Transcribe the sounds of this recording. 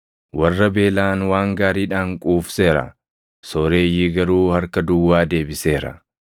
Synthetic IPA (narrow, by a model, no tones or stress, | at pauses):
wɐrːɐbe̞ːlaːnwaːŋɡaːɾiːᶑaːŋkʼuːfse̞ːɾɐ̰ | sɔɾe̞ːjiːɡɐɾuːhɐɾkɐd̪ʊwːaːd̪e̞ːbɪse̞ːɾɐ̰